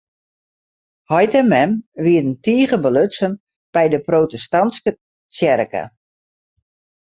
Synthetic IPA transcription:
hɔjtɛmɛmʋiədəntiːɣəbəløt͡sən | b̥ɛjdəproːtɛstɑnskə | sjɛrkə̰

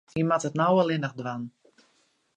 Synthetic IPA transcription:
imatətnawəlˠɪnəχdʋan

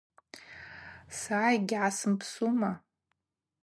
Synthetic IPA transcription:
sajɡʲʕasɨmpʰsuma

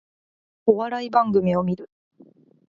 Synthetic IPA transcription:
o̞βaɾaibãŋɡɯ̟mʲio̞mʲiɾɯ̟

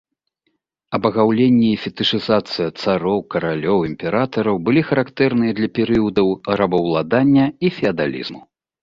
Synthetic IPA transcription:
ɐbɐɣawlʲenʲːiːfʲɛt̪ɨʂɨzat̪sɨjɐt̪saɾɔwkɐɾalʲɔwimpʲɛɾat̪ɐɾɐwbɨlʲixɐɾakt̪ɛrnɨjɐd̪lʲɐpʲɛɾɨjud̪ɐwɾɐbɐwlˠad̪anʲːɐifʲɛɐd̪a̰lʲḭzmu

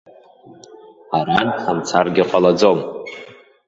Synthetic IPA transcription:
aɾanħamt͡sʰarɡʲɪqʼalad͡zom

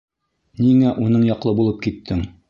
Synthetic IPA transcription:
niŋæʔunɤɴjɒqlˠɤbulˠɤp̚kit̪ʰːɘŋ

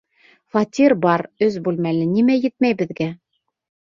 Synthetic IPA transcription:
fat̪ʲirbɑɾɵzbʉlmælɘnimæjɘt̪̚mæjbɘ̆ðɡæ

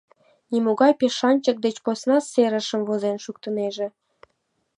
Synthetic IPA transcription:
nimoɣɑjpeʃɑnʲt͡ɕək̚d̪et͡ɕposnɑseɾəʃəmvozenʃuk̚t̪əmeʒe

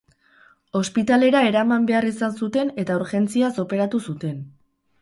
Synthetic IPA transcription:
o̞spit̪ale̞ɾae̞ɾamambe̞arisansut̪e̞ne̞t̪ayɾxe̞nt͡siaso̞pe̞ɾat̪usut̪e̞n

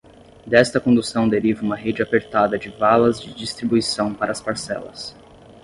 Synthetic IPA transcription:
d̪ɛst̪ɐkõnd̪usɐ̃w̃d̪eɾivɐũmɐɦed͡ʒɪapeɾt̪ad̪ɐd͡ʒɪvalɐzd͡ʒɪd͡ʒist̪ɾibuisɐ̃w̃paɾɐːspaɾsɛ̰lɐ̰s

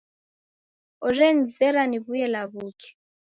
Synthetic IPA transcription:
ɔrɛnzɛɾaniβujɛlaβuːkʰɛ̥

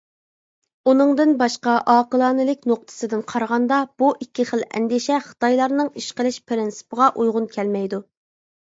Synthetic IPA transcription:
unɨŋd̪ɨnbɑʃqɑʔɑːqəlˠɑːnɨlɪkʲnoq̚t̪ʰɨ̥sɨd̪ɨnqʰɑɾʁɑnd̪ɑb̥uʔikʲʰːiχəlˠɛ̰nɡ̪ʲiʃɛχə̥t̪ʰɑjlˠɑɾnɨŋiʃqəlˠɪʃpʰɪɾɪnsɨ̥pəʁɑʔujʁʊnkʲʰɛlmɛjd̪u

